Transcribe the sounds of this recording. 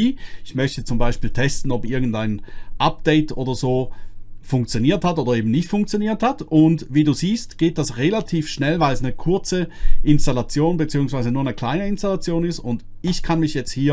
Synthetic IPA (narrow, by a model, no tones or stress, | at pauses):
iɪçmœçtət͡sʊmbaɪʃpiːltʰɛstn̩ɔpʔɪɐɡn̩daɪnʔap̚d̥ɛɪtoːdɐzoːfʊŋkt͡sjoniːɐthatoːdɐeːbmn̩nɪçtfʊŋk̚t͡sjoniːɐthatʊndviːduːziːstɡ̥eːt̚d̥asʁelatʰiːfʃnɛlvaɪlsnəkʰʊɐt͡səʔɪnstalat͡sjoːnbət͡siːʊŋsv̥aɪzənuːɐnəkʰl̥aɪnəɪnstalat͡sjoːnɪstʊnd | ɪçkʰanmɪçjɛt͡sthiːɐ